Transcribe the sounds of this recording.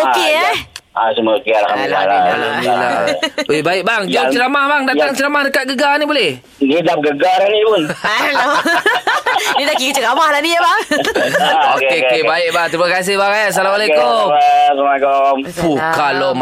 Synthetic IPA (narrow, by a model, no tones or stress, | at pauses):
okeaasumautialakamika̰laa̰loila̰webaɪʔbaŋd͡ʒɔt͡ʃəɾamahbaŋdat̪aŋt͡ʃəɾamahdəkat̪̚ɡəɡanibolɛh | nidap̚ɡəɡaɾanipʊnaɛlo | nidakikit͡ʃəkamahlaniəbaŋ | okeokkebaɪʔ̚baŋt̪ɾimakas̬ɪhbaŋajasalamalekomsmakomfukalom